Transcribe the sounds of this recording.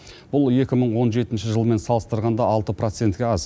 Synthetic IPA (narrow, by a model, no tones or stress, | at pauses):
b̥ʊlˠe̞kʲɪməɴwo̞nʒe̞t̪ɪnʃɪʒəlˠəme̞nsɑlˠəst̪əɾʁɑnd̪ɑɑlˠt̪əpro̞t̪se̞nt̪kʲeɑz